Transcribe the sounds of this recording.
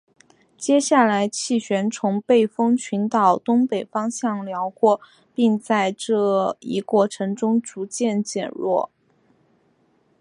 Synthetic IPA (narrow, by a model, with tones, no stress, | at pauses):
t͡ɕjɛ˥ɕja˥˩la˧˥ɪt͡ɕʰi˥˩ɕɥɛ˧˥nt͡sʰʊ˧˥ŋpe˥˩ɪfɤ˥ŋt͡ɕʰy˧˥nt̪ɑ˨˩ʊt̪ʊ˥ŋpe˨˩ɪfɑ˥ŋɕjɑ˥˩ŋljɑ˧˥ʊkwɔ˥˧ | pi˥˧ŋt͡sa˥˧ɪʈ͡ʂɤ˥˩ḭ˧˥kwɔ˥˩ʈ͡ʂʰɤ˧˥ŋʈ͡ʂʊ˥ŋt͡su˧˥t͡ɕjɛ˥˩nt͡ɕjɛ̰˨˩nɻwɔ̰˥˩